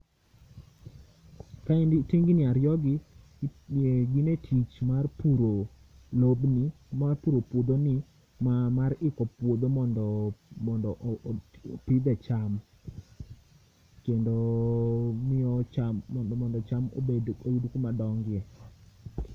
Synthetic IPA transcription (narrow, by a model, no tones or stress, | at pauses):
kaindteŋɡɪnɪaɾjɔɡɪ | ɡɪnetʰit͡ʃmarpuɾo | lobni | marpuɾopwod̪onɪ | mamarɪkɔpwod̪omɔndɔmɔndɔʔ | pɪd̪ɛt͡ʃam | kendo | mɪɔt͡ʃamɔndɔt͡ʃamo̰edojudukumadɔŋɡɪjɛ